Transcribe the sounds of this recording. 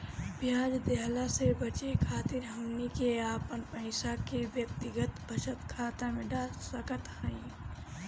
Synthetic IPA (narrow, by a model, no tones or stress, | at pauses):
bjaːd͡ʒd̪eɦlasebət͡ʃekʰaːt̪ɪɾɦɐmnikeaːpənpəɪsakewjək̚t̪ɪɡət̪bʱəʃət̪kʰaːt̪amẽɖaːlsəkət̪haĩː